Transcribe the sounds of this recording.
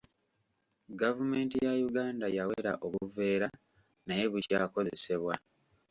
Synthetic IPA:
ɡavume̞ːntijajuɡaːndajaweɾa̰ʔo̞βuve̞ːɾa | naje̞βucaːko̞zese̞βwa

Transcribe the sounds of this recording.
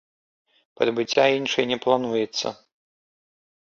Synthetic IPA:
pɐɾɐbɨt͡sʲːainʂɨjnʲɛplˠanujɛt̪sːɐ̰

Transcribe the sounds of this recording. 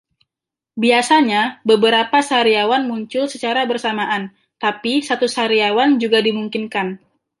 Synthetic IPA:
biasaɲabəbəɾapasaɾiawanmuɲt͡ʃʊlsət͡ʃaɾabərsamaʔan | t̪apisat̪usaɾiawand͡ʒuɡadimuŋkinkan

